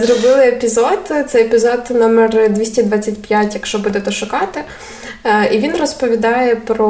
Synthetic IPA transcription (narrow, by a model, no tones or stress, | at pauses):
zɾɔbɪlˠɪepʲizɔd̪t̪sɛjepʲizɔd̪nɔmɛrd̪ʲʋʲisʲtʲid̪ʋɑt͡sʲːɐtʲpʲjatʲjɐkʃt͡ʃɔbud̪ɛt̪ɛʃʊkɑt̪ɪ | iʋʲinrɔspɔʋʲid̪ɑjɛpɾɔ